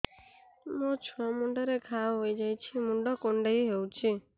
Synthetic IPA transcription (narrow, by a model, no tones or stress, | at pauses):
mɔ̃t͡ʃʰɔmuɳɖəɾekʰaʋɦoid͡ʒajt͡ʃʰimuɳɖɔkoɳɖəiɦeũt͡ʃʰi